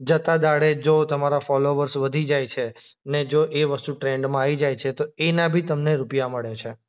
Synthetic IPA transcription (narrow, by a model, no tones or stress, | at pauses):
d͡ʒət̪ad̪aɽed͡ʒot̪əmaɾafɔloʋəɾsʋəd̪ʱid͡ʒajt͡ʃʰe | əned͡ʒoʔeʋəst̪ũʈɾeɳɖmãaʋid͡ʒajt͡ʃʰet̪oenabʱit̪əmneɾupjaməɭet͡ʃʰe